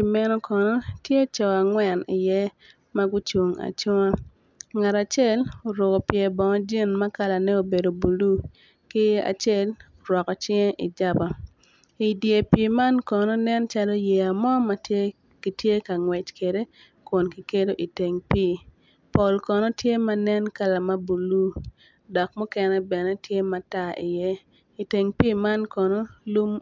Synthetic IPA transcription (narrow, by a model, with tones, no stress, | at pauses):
i˨mɛ˦nɔ˦kɔ˨nɔ˦tje˦t͡ʃɔ˨a˨ŋwɛ˨ni˨jɛ˦ | ma˦ɡu˦t͡ʃwo˨ŋa̰˨t͡ʃʊ˦ŋa˦ | ŋa˨ɾa˨t͡ʃɛ˦˨lo˨ɾo˨ɡɔ˨pjɛ˨bɔ˨ŋɔ˦d͡ʒi˦nma˦ka˦la˨nɛ˦o˨be˨do˨bu˨lu˦ | kɪ˦a̰˨t͡ʃje˦l | ɾwɔ˨kɔ˨t͡ʃɪ˦ŋɛ˦ʔḭ˨d͡ʒa˦ba˨ | i˨dje˨piː˨ma˦nkɔ˨no˦nɛ˦nt͡ʃa˦lo˦je˨a˨mɔ˦ma˨ | ki˨tje˦ka˨ŋwɛ˨t͡ʃke˨de˦ | kʊ˨nkɪ˨ke˦do˦ʔi˨te˨ŋpiː˦ | po˨lkɔ˨no˦tje˦ma˦nɛ˦nka˦la˨ma˦bu˨lu˦ | dɔ˨k̚mɔ˦kɛ˦nɛ˦bɛ˨nɛ˦tje˦ma˨ta˦ḭ˨jɛ˦ | i˨te˨ŋpiː˦ma˦nkɔ˨no˦lu˦m